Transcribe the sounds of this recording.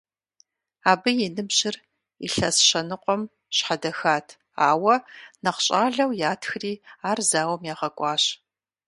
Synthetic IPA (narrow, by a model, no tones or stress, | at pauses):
aːbɨjɛnɨbʑɪr | ḭɬɐsɕɐnɨqʷʼɔm | ɕħadɐxaːtʰ | aːwɐnɐqɕʼaːɮɐwjaːtʰxɨriːaːrzaːwɐmjaːʁɐkʷʼɑːɕ